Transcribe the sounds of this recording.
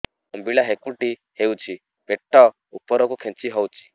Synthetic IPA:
ɔmbiɭaɦekuʈi | hewt͡ʃʰi | peʈːɔ | upːɔɾɔkukʰẽnt͡siɦɔwt͡ʃʰi̥

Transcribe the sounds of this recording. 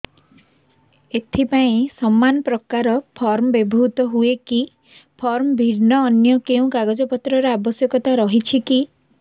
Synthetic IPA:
et̪ʰipaĩsɔmːanɔpɾɔkaɾɔpʰɔɾmɔbebʱuɦut̪ɔɦueki | pʰɔɾmɔbʱiɾnɔːnjɔkeũkaɡɔd͡ʒɔpɔt̪ɾɔɾeabɔsjɔkɔt̪aɾɔɦit͡ʃʰiki

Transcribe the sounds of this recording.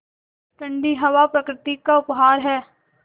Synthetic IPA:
ʈ̪ɐ̃ɳɖiɦɐʋapɾɐkɾɪt̪ikaʊpɦaːɾɦɛː

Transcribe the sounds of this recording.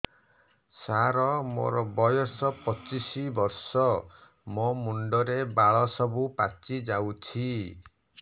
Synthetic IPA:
saɾɔmo̰ɾɔbɔjɔsɔpɔt͡ʃisibɔɾsɔ | momuɳɖɔɾebaɭɔsɔbupat͡ʃid͡ʒawt͡ʃʰi

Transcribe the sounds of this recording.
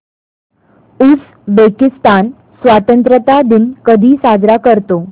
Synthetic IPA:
ut͡s | bekist̪an | sʋat̪ənt̪ɾət̪ad̪inkəd̪ʱiːsad͡zɾakəɾt̪o

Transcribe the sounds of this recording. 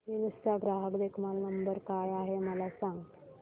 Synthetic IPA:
ɦiʋisaɡɾaɦəkd̪ekʰmalnəmbəɾkajaɦeməlasãŋɡt̪

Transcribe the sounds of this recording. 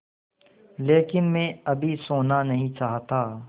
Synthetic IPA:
leːkɪnmẽɐbʱisoːnanɐɦĩt͡ʃaːɦt̪aː

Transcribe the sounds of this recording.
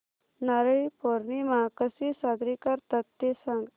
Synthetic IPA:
naɾəipoɾnimãkəsisad̪ɾikəɾt̪ət̪ːesãŋɡ

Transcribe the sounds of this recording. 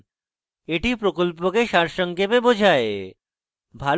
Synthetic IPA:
eʈipɾokolp̬okeʃaɾʃɔŋkebebod͡ʑʱae | bʱal

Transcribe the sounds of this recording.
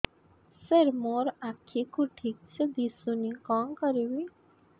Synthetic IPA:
seɾmoɾakʰikuʈʰik̚t͡ʃʰəd̪isunikɔŋkɔɾibi

